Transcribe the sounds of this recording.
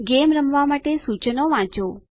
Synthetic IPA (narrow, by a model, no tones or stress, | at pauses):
ɡemɾəmʋamaʈesut͡ʃənoʋãt͡ʃo